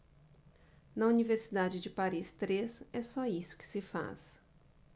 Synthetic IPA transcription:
nɐuniveɾsid̪ad͡ʒɪd͡ʒɪpaɾist̪ɾesɛsɔisʊ̥kɪ̥sɪfa̰s

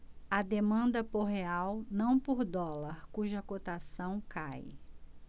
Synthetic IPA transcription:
ɐd̪emɐ̃nd̪ɐpoɦeawnɐ̃w̃poɾd̪ɔlɐɾkuʒɐkot̪asɐ̃w̃kaj

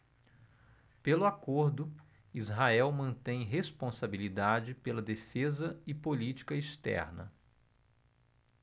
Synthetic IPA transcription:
pelʊakoɾd̪ʊ | izɦaɛwmɐ̃nt̪ẽj̃ɦespõsabilid̪ad͡ʒɪpelɐd̪efezɐɪpolit͡ʃi̥kɐist̪ɛ̰ɾnɐ̰

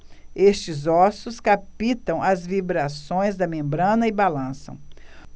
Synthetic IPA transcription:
est͡ʃɪzɔsʊskapit̪ɐ̃w̃ɐzvibɾasõj̃zd̪ɐmẽmbɾɐ̃nɐɪbalɐ̃sɐ̰̃w̃

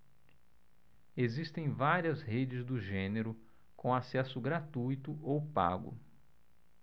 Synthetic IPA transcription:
ezist̪ẽj̃vaɾiɐzhed͡ʒɪzd̪ʊʒẽneɾʊ | kõasɛsʊɡɾat̪ujt̪ʊʔowpa̰ɡʊ̰

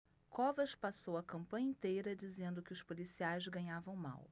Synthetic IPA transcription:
kʰɔvɐʃpasowɐkɐ̃mpɐ̃ɲɐĩt̪ejɾɐd͡ʒizẽnd̪ʊkɪʊspolisiajzɡɐ̃ɲavɐ̃w̃ma̰w

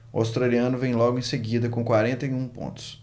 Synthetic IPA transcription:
ʊa̰wst̪ɾaliɐ̃nʊvẽj̃lɔɡʊẽj̃seɡid̪ɐkõkwaɾẽnt̪ɐiũpõ̰nt̪ʊ̥s

